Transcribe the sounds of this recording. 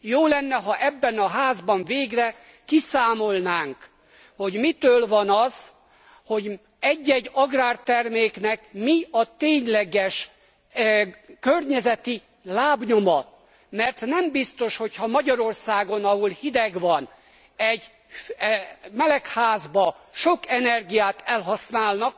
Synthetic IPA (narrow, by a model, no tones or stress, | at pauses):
joːlɛnːɛɦɒʔɛbːɛnɒɦaːzbɒɱveːɡrɛ | kisaːmo̞lnaːŋk | ho̞ɟmit̪øːlvɒnɒz̥ | ho̞ɟ | ɛɟːɛɟɒɡraːrt̪ɛrmeːknɛkmiɒt̪eːɲlɛɡɛʃ | kørɲɛzɛt̪i | laːbɲo̞mɒ | mɛrt̪nɛmbist̪o̞ʃho̞chɒmɒɟɒɾo̞rsaːɡo̞nɒɦulhid̪ɛɡʋɒn | ɛɟ | mɛlɛkhaːzbɒʃokɛnɛrɡijaːt̪ɛlɦɒsnaːlnɒk